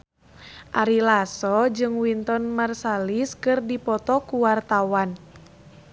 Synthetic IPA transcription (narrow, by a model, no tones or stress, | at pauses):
ʔaɾilasɔd͡ʒɨŋwint̪ɔnmarsaliskɨrdipɔt̪ɔkuwart̪awan